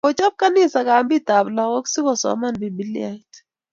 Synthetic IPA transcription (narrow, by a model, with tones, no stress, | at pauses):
ɔ˨t͡ʃɔ˦b̚ka˦nɪ˦sa˨ka˨mbi˦ta˨bla˨kɔ˦ksi˦kɔ˨sɔ̰˨ma˦nbi˨bi˦li˦a˨t